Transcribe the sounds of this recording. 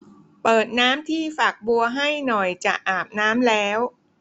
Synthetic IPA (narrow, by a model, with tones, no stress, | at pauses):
pɤː˨˩t̪̚naː˦˥mt̪ʰiː˥˩fa˨˩k̚bu˧ɐɦa˥˩jnɔ˨˩jt͡ɕa˨˩ʔʔaː˨˩p̚naː˦˥mlɛː˦˥w